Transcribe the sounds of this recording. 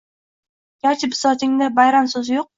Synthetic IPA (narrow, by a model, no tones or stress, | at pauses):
ɡʲaɾt͡ʃʰɪpɪ̥sɒt̪ʰɪŋd̪abajɾansɵzjoq̚